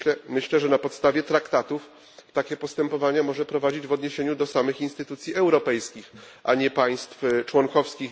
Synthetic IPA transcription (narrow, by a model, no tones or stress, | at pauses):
ɛmɘɕlɛʐɛnapɔt̪st̪avʲjɛt̪ɾakt̪at̪uf | t̪akʲɛpɔst̪ɛmpɔvaɲɛmɔʐɛpɾɔvad͡ʑid͡ʑvɔd̪ɲeɕeɲud̪ɔsamɘxinst̪ɘt̪ut̪sʲjiɛwɾɔpɛjskʲix | ʔaɲɛpaj̃st̪ft͡ʂwɔŋkɔfskʲix